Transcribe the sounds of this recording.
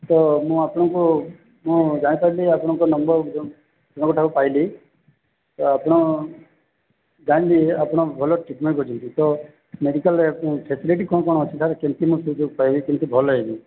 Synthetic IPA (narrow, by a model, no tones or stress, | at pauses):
t̪ɔmũapɽ̃ɔ̃ku | mũd͡ʒaɽ̃ipailiapɽ̃ɔ̃kɔnɔmbɔɾ | apɽ̃kuʈʰakupaili | t̪ɔapɽ̃ɔ̃ | d͡ʒaɽ̃liapɽ̃ɔ̃bʱɔlɔʈipmẽibʱod͡ʒɔ̃nt̪it̪ɔ | meɖikəlekũpʰesiliʈikɔ̃ɔkɔɽ̃ɔ̃ɔt͡ʃʰit̪ʰaɾkent̪imũsud͡ʒoɡ̚paibikent̪ibʱɔlɔɦebi